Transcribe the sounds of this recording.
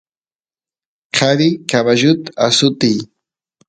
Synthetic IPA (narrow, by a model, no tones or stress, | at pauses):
kʰaɾikaβaʒut̪asut̪i